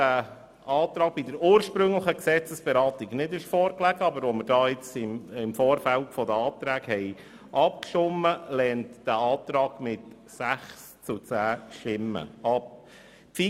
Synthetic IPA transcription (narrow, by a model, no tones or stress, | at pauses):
æ | ʔɑːt̪ɾɑːɡ̥̚b̥idəɾuːɾʃpɾɵŋləχəksɛt͡səsb̥ɛɾɑːtiɡnɪdɪʃfɔːɾklæɡəɑbəɾʋɔməɾdɑːɪt͡sɪmɪmfoːɾfæltfɔdəɑːt̪ɾæːkhɛj | ʔɑpkʃoməlɛːntd̥æɑːt̪ɾɑːɡ̥mɪt | sæχs | t͡sʊt͡sæːʃtɪmːə̰ɑp̚ | fi